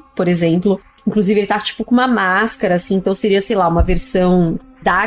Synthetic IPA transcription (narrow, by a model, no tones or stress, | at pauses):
poɾezẽmplʊ | ĩŋkluzivɪelɪt̪at͡ʃi̥pʊkõũmɐmaskaɾɐːsĩẽnt̪ɐ̃w̃seɾiɐsejlaũmɐveɾsɐ̃w̃d̪a